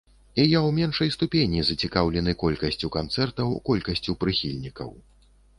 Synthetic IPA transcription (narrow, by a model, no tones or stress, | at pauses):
ijawmʲɛnʂɐjst̪upʲenʲizɐt͡sʲikawlʲɛnɨkɔlʲkɐsʲt͡sʲukant̪sɛrt̪ɐwkɔlʲkɐsʲt͡sʲupɾɨxʲilʲnʲikɐ̰w